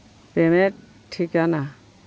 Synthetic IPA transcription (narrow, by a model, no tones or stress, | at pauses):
pemɛ | tʰikana